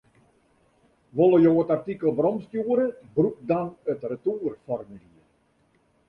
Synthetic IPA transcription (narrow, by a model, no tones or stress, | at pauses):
ʋolˠəjoːətartikəlˠbrɔmstjuəɾəbruk̚dɔnətrətuːərfɔrməhiə